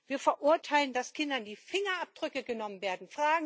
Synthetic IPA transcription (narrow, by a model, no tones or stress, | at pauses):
viːɐfɛɐʔʊɐtʰaɪləndaskʰɪndɐndiːfɪŋɐʔap̚d̥ʁʏkəɡənɔmənveːɐdn̩fʁ̥aːɡŋ̩